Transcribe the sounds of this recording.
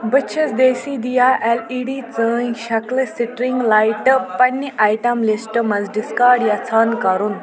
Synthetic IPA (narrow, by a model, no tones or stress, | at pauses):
bəɕʰət͡sd̪esid̪ijaʔeliɽit͡sə̃jɕakləsiʈɾiŋɡlajʈpɐnːəʔajʈamlisʈəmɐd͡zɖiskaɾɖjat͡sʰankaɾuːn